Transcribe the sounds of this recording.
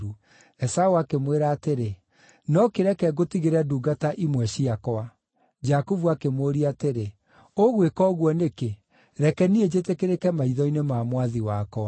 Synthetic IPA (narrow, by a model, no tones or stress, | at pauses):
u | ɛsaoakemweɾaːteɾe | nɔkeɾɛkɛɣotiɣeɾɛaduːɡataʔimwɛʃiakɔa | d͡ʒakuvuakemoɾiateɾe | oɣwekɔɣwɔneke | ɾɛkɛnied͡ʑetekeɾekɛmaiðɔinemamwaðiwakɔa